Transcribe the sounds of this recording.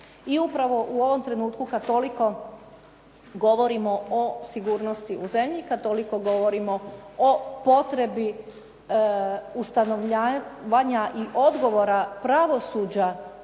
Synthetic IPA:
iupɾaʋo̞ʔuo̞ʋo̞mt̪ɾe̞nuːt̪kukat̪o̞liko̞ | ɡo̞ʋo̞ɾimo̞osiɡuːɾnost̪iʔuze̞mʎikad̪̚t̪o̞liko̞ɡo̞ʋo̞ɾimo̞opo̞t̪ɾe̞bi | ust̪anoʋʎaʋaɲaʔiʔo̞d̪ɡo̞ʋoɾapɾaʋo̞suːd͡ʑa

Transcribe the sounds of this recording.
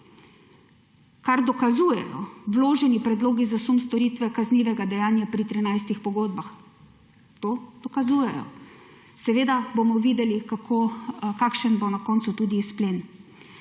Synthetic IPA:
kaɾd̪ɔkazuːjɛ̰jɔ̰wloːʒɛnipɾɛd̪loːɡizasumst̪ɔɾiːt̪ʋɛkazniːʋɛɡad̪ɛjaːnjapɾit̪ɾinajst̪ixpɔɡoːd̪̚bax | t̪oːd̪̥ɔkazuːjɛjɔ̰ | sɛʋeːd̪abomɔʋiːd̪ɛlikakʰoːkakʃənbonakɔːnt̪sut̪uːd̪iːspleːn

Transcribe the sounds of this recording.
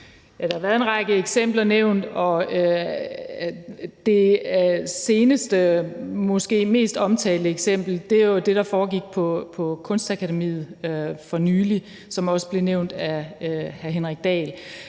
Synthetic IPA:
jæd̥ɑhɑ̈ʋæːɐðˠenʁɑ̈ɡ̥əeɡ̥sem̰b̥lɐneʊ̰nd̥ɒ̽ø | d̥e̝ | se̝ːnəsd̥əmɒ̽sɡ̥e̝̰ːme̝̰ːsd̥ɒ̽mt͡sʰɛ̰ːləeɡ̥sem̰b̥l̩d̥e̝jod̥e̝ɾ̥ɑ̈fɒːɡ̥iɡ̥̚pʰɒ̽pʰɒ̽kʰɔ̽nsd̥ækʰæɾemḭːð̩ˠøfɒ̽nyːli | sɒ̽mɒ̽səb̥le̝neʊ̰nd̥æhæɦe̝nʁaɡ̥̚d̥ɛ̰ːl

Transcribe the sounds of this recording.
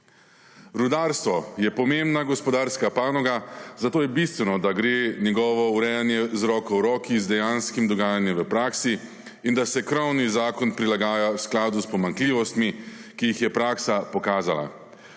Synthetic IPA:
ɾud̪aːɾst̪ʋɔjɛpɔmembnaɡɔspɔd̪aːɾskapaːnɔɡazat̪oːjɛbist̪ʋɛnɔd̪aɡɾeːnʲɛɡɔːʋɔuɾɛjanjɛzɾɔːkɔwɾɔːkizd̪ɛjanskimd̪ɔɡaːjanjɛmʋəpɾaːksiː | nd̪asɛkɾɔwnizaːkɔnpɾilaɡaːjawsklaːd̪uspɔmaŋkliːʋɔst̪mikijixjɛpɾaːksapɔkaːzala̰

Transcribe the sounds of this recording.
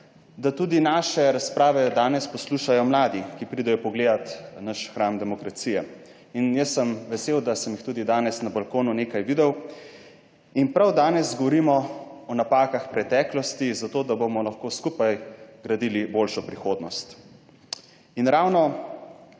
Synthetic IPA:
d̪at̪uːd̪inaːʃɛɾaspɾaːʋɛd̪aːnɛspɔsluʃajɔmlaːd̪ikipɾid̪ɛjɔpɔɡleːd̪at̪naʃxɾaːmd̪ɛmɔkɾat̪sijɛ | injəsːəmʋɛseːwd̪asəmjixt̪uːd̪id̪aːnɛsnabalkoːnuneːkajʋid̪ɛw | inpɾawd̪aːnɛzɡɔʋɔɾimɔɔnapaːkaxpɾɛt̪ɛːklɔst̪izat̪oːd̪abomɔlɐxkoskupajɡɾɐd̪iːlibolʃɔpɾixoːd̪nɔst̪ | inɾawnɔ

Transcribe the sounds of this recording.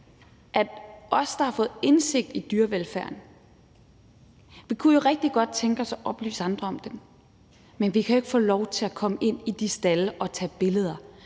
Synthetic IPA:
ʔæd̥ʔɒ̽sd̥ɑ̈hɑ̈fɔ̽ːð̩ˠe̝nse̝ɡ̥̚d̥id̥yɐʋelfæɐ̰n | ʋikʰujo̝ʁɛɡ̥̚d̥iɡ̥ɒ̽d̥̚t͡sʰeŋɡ̥əɒ̽sɒ̽ʔɒ̽b̥ly̰ːsɑ̈nd̥ʁɐɒ̽md̥en | menʋikʰæjoe̝ɡ̥fɔ̰ːlɒʊt͡sʰe̝lækʰɒ̽məʔe̝n̰id̥isd̥æləʔɒ̽t͡sʰɛ̰ːb̥e̝ləð̞ˠɐ

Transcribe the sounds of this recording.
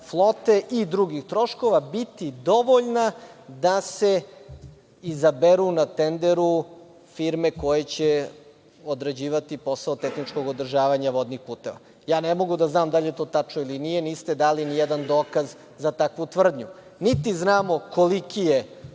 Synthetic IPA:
flˠo̞t̪e̞ʔid̪ɾuɡixt̪ɾo̞ʃko̞ʋabit̪id̪o̞ʋoʎnad̪ase̞ | izabeɾunat̪end̪eɾu | fiɾmeko̞jet͡ɕe | od̪ɾed͡ʑiːʋat̪ipo̞saot̪exnit͡ʃko̞ɡod̪r̩ʒaːʋaɲaʋo̞d̪nixpuːt̪e̞ʋa̰ | jaːnemo̞ɡud̪aznaːmd̪aʎet̪o̞ːt̪at͡ʃnoilinije̞niːst̪ed̪aːlinijed̪and̪o̞ːkaz | zat̪akʋut̪ʋr̩d̪ɲu | nit̪iznaːmo̞kolikije

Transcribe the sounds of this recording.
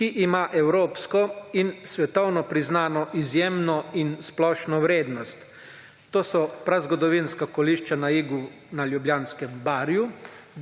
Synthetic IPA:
kiʔimaːʔɛwɾoːpskɔinsʋɛt̪ɔwnɔpɾiznaːnɔʔizjemnɔinsplɔːʃnɔwɾeːd̪nɔst̪ː | oːsɔpɾazɡɔd̪ɔʋinskakɔliːʃt͡ʃanaiːɡu | naljubljaːnskɛmbaːɾju

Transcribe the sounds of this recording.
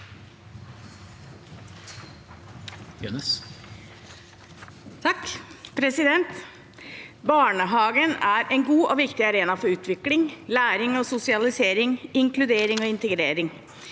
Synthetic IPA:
n | t̪ʰɑkːpʰɾɛsɪd̪ɛnt̪ | bɑːɳəɦɑːɡənæːɾʔɛnɡuːʔɔʋɪkt̪ɪɑɾeːnɑfɔɾʉːt̪ʰʋɪklɪŋlæːɾɪŋoːsʊsɪɑlɪseːɾɪŋɪŋklʉd̪eːɾɪŋoːɪnt̪əɡɾeːɾɪŋ

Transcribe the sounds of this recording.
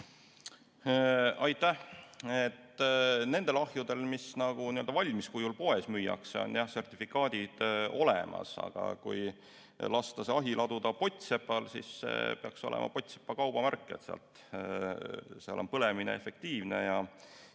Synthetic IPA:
ɑjt̪ːˑæhet̪ːne̞nd̪̥e̞lɑhjud̪̥e̞lmisnɑɡ̥uniø̞ld̥̪ɑvɑlʲmiskujulpo̞e̞smyːjɑ̰kseo̞̰njɑhse̞rt̪ʲifikːˑɑːd̪̥ʲid̪̥o̞lemʔɑ̰sɑ̰ɡ̥ɑ̰kṵj | lɑst̪ɑsɑɦilʔɑd̪̥ud̪̥ɑpo̞t̪ʲse̞pːˑɑlsḭsːḛpe̞ɑkso̞̰lḛmɑ̰po̞t̪ʲse̥pːɑkɑwb̥ɑmærkːˑet̪seɑ̰lt̪ | seɑ̰lʔo̞npɤle̞minḛefe̞k̚t̪iːvne̞̰jɑ

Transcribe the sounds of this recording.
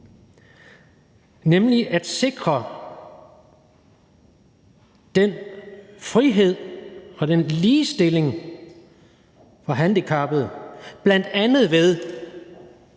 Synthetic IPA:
nemliʔæd̥se̝ɡ̥ʁɐ | d̥en | fʁiɦe̝ð̞̰ˠɒ̽d̥enliːsd̥e̝le̝ŋ | fʁɑ̈ɦænd̥ikʰɑ̈b̥ð̞̩ˠb̥læn̰d̥ænð̩ˠʋeð̞ˠ

